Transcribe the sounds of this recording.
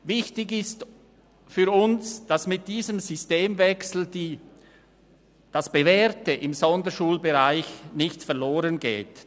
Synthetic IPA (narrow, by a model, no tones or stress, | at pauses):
vɪçtɪɡɪst | fyɾʊnsd̥asmɪt̚d̥iːzəmzysteːmvɛksl̩d̥iː | d̥asb̥evɛːɾtəʔɪmzɔndəʃuːlbeʁaɪçnɪçtfɛɐʁloːʁənɡḛːt